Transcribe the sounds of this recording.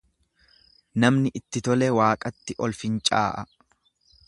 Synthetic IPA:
nɐmnɪʔɪt̪ːɪt̪ɔlɛwaːkʼɐt̪ːɪʔɔlfɪnt͡ʃʼa̰ːʔɐ

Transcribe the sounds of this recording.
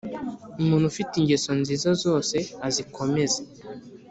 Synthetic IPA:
umuːn̤ufitiŋɟesonziːzazo̞ːse̞azikʰo̞me̞ze

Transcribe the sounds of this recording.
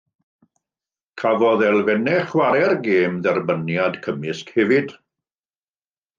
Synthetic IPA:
kʰavɔðɛlˠvɛnɛχwaɾɛrɡeːmðɛrbənjadkʰəmɪskhɛvɪd̥

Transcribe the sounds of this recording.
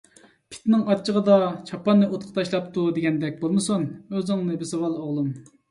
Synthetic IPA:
pʰɪ̥t̪nɪŋɑtt͡ʃʰːəʁəd̪ɑt͡ʃʰɑpɑnːɨʔot̪qʰə̥t̪ʰɑʃlˠɑp̚t̪ʰud̪eɡʲɛnd̪ɛk̚ʲbolˠmɨsunøzɪŋnɨbɪsɑwɑlˠoʁlˠum

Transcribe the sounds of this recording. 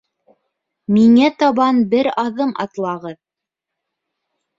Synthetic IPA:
miŋæt̪ɑβɑnbɘɾɑðɤmʔɑ̰t̪lˠɑʁɤð

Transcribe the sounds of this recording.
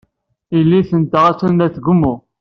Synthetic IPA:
ilːiθənt̪əʁæt͡sːənːæθɡʊmːʊ

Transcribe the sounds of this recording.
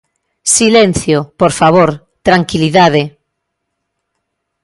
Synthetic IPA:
silẽn̟θjopoɾfaβ̞oɾ | t̪ɾaŋkiliðað̞e

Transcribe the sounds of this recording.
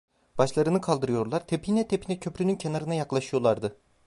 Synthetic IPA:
b̥aʃlˠaɾɯnɯkʰalˠd̪ɯɾɯjo̞ɾlˠaɾt̪ʰepʰinɛt̪ʰepʰinɛcʰø̞pɾynyncʰe̞naɾɯnajaklˠaʃɯjo̞lˠaɾd̪ɯ

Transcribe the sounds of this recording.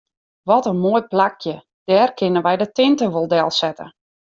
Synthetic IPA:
ʋɔtənmoːjplakʰjə | d̥ɛːrkɪnəʋɛjdətɪntəʋolˠdɛlˠsɛtə̰

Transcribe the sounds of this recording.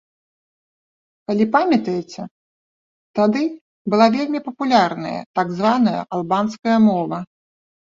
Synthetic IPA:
kalʲipamʲɐt̪ɐjɛt͡sʲɛ | t̪ad̪ɨ | bɨlˠavʲelʲmʲipɐpulʲarnɐ̰jɐ̰t̪aɡzvanɐjɐ̰ʔalˠbanskɐjɐmɔvɐ

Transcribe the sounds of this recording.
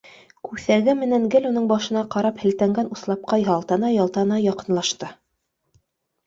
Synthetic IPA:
kʉθæɡɘmɘ̆næŋɡɘlunɤɴbɑʃɤ̆nɑqɑɾɑphɘ̆lt̪æŋɡænuslˠɑp̚qɑjɑlˠt̪ɑnɑjɑlˠt̪ɑnɑjɑqɤ̆nlˠɑʃt̪ɤ

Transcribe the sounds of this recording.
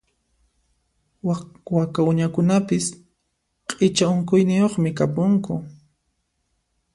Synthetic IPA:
wakaʊɲakʊnapɪs | qʼɪt͡ʃaʊŋkʊjnɪjoχmɪkapʊŋkʊ

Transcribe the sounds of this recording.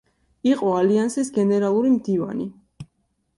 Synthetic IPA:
iqʼɔaliansisɡɛnɛɾalˠuɾimd̪iva̰ni

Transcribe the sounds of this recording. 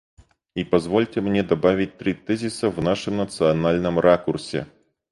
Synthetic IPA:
ipɐzvolʲtʲɪmnʲed̪ɐbavʲɪt̚ʲt̪ɾʲit̪ɛzʲisəvnaʂɨmnət̪sɨɐnalʲnɨmrʔakʊrsʲḛ

